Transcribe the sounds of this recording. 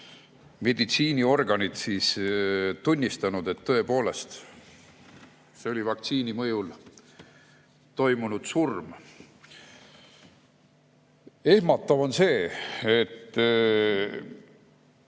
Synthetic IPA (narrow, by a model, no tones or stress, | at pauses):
me̞d̪it̪siːnio̞rɡ̥ɑnit̪siːst̪unʲːist̪ɑnud̪̥e̞t̪ːɤ̞e̞po̞ːle̞st̪ | seo̞livɑk̚t̪siːnimɤjul | t̪o̞jmunud̪̥surm | e̞hmɑt̪ːˑɑvo̞nse̞ːet̪ː